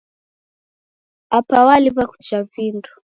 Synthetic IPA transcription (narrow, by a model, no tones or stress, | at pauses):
apawaliβaku̥d͡ʒavindu̥